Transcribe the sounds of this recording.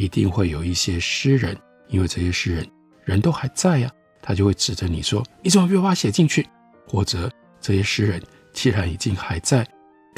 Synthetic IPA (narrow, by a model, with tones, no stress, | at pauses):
i˧˥t̪i˥˧ŋxwe˥˩ɪjo˨˩ʊi˥˩ɕjɛ˥ʂɻ̩˥ɻə˧˥n | i˥nwe˥˧ɪʈ͡ʂɤ˥˧˩ɕjɛ˥ʂɻ̩˥ɻə˧˥n | ɻə˧˥nt̪o˥ʊxa˧˥ɪt͡sa˥˩ɪɐ˩ | t̪ʰa˥t͡ɕjo˥˧we˥˩ɪʈ͡ʂɻ̩˨˩d̪ə˧˦ni˨˩ʂwɔ˥i˥˩ʈ͡ʂə˨˩m˨˥˩ɥwa˥ɕjɛ˨˩t͡ɕi˥˧ŋt͡ɕʰy˥˩ | xwɔ˨˩ʈ͡ʂɤ˧˥˦ | ʈ͡ʂɤ˥˩ɕjɛ˥ʂɻ̩˥ɻə˧˥n | t͡ɕʰi˥ɻa˧˥ni˨˩t͡ɕi˥˧ŋxa˧˥ɪt͡sa˥˩ɪ